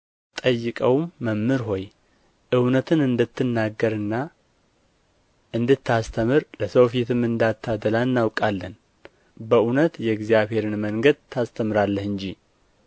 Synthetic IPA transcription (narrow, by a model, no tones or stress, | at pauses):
t̪ʼəjːɨkʼəwmːəmːɨɾɦo̞j | ʔɨwnət̪ʰɨnɨnd̪ɨt̪ːɨnːaɡːəɾɨnːa | ʔɨnd̪ɨt̪ʰːast̪ʰəmɨɾləsəwfit̪ʰɨmɨnd̪at̪ʰːad̪əlanːawkʼalːən | bəunət̪jɛɡzjaβhe̞ɾɨnməŋɡəd̪̚t̪ʰːast̪ʰəmɨɾalːəhɨnd͡ʒi